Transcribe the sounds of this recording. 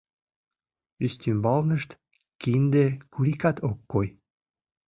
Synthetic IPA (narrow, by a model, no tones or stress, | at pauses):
yst̪ymbɑlnəʃt̪ | kind̪ekuɾikɑt̪okːoj